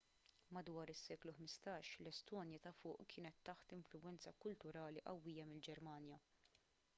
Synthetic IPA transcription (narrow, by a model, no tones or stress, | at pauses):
mɐd̪wɐːɾɪsːɛːkluħmɪst̪ɐːʃlɛst̪ɔːnjɐt̪ɐfʊːʔkʰɪːnɛt̪ːɐħt̪ɪɱflʊwɛnt͡sɐkʊlt̪ʊɾɐːliʔɐwːiːjɐmɪld͡ʒɛɾmɐːnjɐ